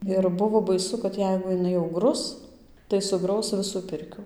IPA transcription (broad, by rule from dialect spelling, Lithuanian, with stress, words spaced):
ɪr ˈbʊʋoː bɐˈɪsʊ kɐt ˈjɛɪɡʊ jɪˈnɐɪ jɛʊ ˈɡrʊs tɐɪ sʊˈɡrɐʊs ˈʋʲɪsuː ˈpʲɪrʲkʲuː